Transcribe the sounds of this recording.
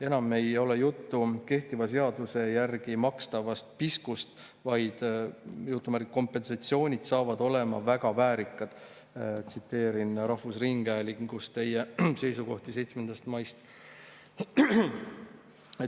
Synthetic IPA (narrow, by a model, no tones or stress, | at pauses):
e̞nɑme̞jo̞le̞jut̪ːuke̞ht̪ivɑs̬e̞ɑd̪̥use̞jærɡ̥imɑkst̪ɑvɑst̪̚piskust̪ | vɑjd̪̥jut̪ːˑumæɾkkːo̞mpːˑe̞nsɑt̪sio̞ːnʲid̪̥sɑːvɑd̪̥o̞le̞mɑ̰væɡ̥ɑvæːɾikːˑɑd̪̥ | t̪sit̪ːe̞ːɾinɾɑhvusriŋɡ̥æjliɡust̪e̞jese̞jsuɡo̞ht̪ise̞jt̪sme̞nd̪̥ɑst̪mɑjst̪ | e